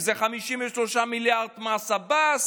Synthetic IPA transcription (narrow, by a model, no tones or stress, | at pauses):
zeχamiʃimveʃloʃamiljaʁd̪masabas